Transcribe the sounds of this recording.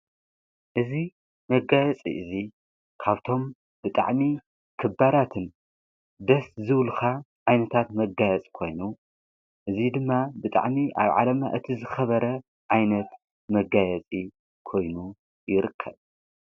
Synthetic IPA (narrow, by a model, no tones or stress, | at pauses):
ʔɨzi | mɐɡajɛt͡sʼḭʔɨzi | kʰaβt̪ʰo̞m | bɨt̪ʼa̰ʕmi | kʰɨbːaɾat̪ʰɨn | d̪ɐszɨwlxa | ʕajnɐt̪ʰat̪mɐɡajɛt͡sʼkʰo̞jnu | ʔɨzid̪ɨmːabɨt̪ʼa̰ʕmiʔa̰βʕa̰lɐma̰ʔɨt̪ʰizɨxɐβɐɾɐ | ʕajnɐt̪ | mɐɡajɛt͡sʼi | kʰo̞jnu | jɪɾɨkʰːɐ̰β